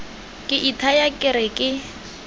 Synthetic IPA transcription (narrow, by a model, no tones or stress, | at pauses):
kʼɪʔitʰajakʼɪɾɪkʼɪ